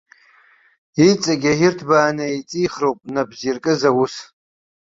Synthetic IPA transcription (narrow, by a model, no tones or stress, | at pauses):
it͡sʼaɡʲajɪrtʰbaːnait͡sʼiːχrowpʼnabzirkʼɨzawus